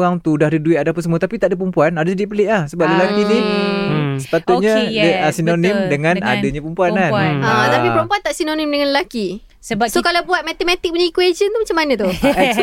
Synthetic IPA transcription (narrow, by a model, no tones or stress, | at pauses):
ɣaŋt̪udahdəduit̪adapəsəmuat̪apit̪aʔdəpɾəmpuanadasədiʔpəleʔlahsəbap̚lelakini | sə̥pat̪ʊt̪̚ɲədəsinonimdəŋãnadəɲapəmpuananãt̪apipəɾompuant̪aʔsinonĩmdəŋãnlelaki | səbsokalawbuat̪̚mat̪emat̪ik̚pəɲaikwed͡ʒənt̪umat͡ʃamːanə̃t̪u